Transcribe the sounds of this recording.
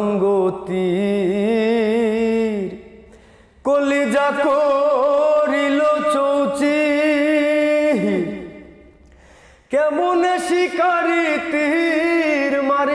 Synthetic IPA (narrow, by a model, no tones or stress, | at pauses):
ŋɡot̪i | ɾ | kolid͡ʒakʰo | ɾilot͡ʃowt͡ɕi | ɦiɾ | keboneʃikaɾit̪iɦiɾmaɾ